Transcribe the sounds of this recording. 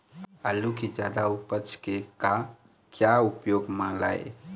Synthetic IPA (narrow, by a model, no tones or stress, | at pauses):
alukid͡ʒjaːd̪aupət͡ʃʰkeka | kjaupjoːɡmãla̰ḛ